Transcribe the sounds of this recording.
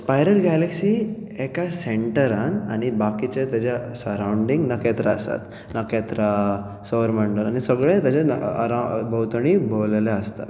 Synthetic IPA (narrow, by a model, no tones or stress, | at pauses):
spajɾəlɡaleksiekaseɳʈəɾana̰ñibakit͡ɕet̪jad͡ʑjasəɾawɳɖiŋɡnəket̪ɾaə̰sa̰t̪ | nəket̪ɾa | səʋəɾməɳɖəlanisəɡɭẽt̪jat͡ɕaɾabʱəwt̪əɳ̃ibolleəst̪a̰t̪